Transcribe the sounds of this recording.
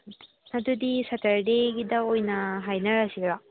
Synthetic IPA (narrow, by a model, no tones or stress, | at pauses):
nad̪ud̪isataɾdeɡid̪ɐojnaɦajnaɾasikɾa